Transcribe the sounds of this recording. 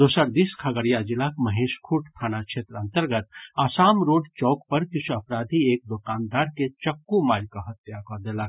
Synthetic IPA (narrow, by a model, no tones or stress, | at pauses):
d̪oːsəɾd̪iskʰəɡəɾjad͡ʒilakməɦeːʃkʰuʈʰt̪ʰaːnakʃʰeːt̪ɾəə̃nt̪əɾɡət̪aːsaːmɾoːɖt͡ʃɔːkpəɾkɪt͡ʃʰuɐpɾaːd̪ʱieːk̚d̪okaːnd̪aːɾket͡ʃɐkːumaːlkaɦɐt̪jakəɾd̪eːlak